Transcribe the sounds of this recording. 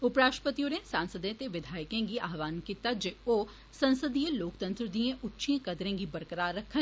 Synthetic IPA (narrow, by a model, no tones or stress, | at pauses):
ʊpɾaːʃpət̪ijonẽsãːnsəd̪ẽt̪eʋɪd̪ʱaːɪkẽːɡiʔaːɦʋaːnkiːt̪ad͡ʒeoː | sɐ̃nsəd̪ijẽloːkt̪ə̃nt̪ɾəd̪iẽʔʊtːʃʰiẽkɐd̪ɾẽːɡibəɾkəɾaːɾːəkʰːə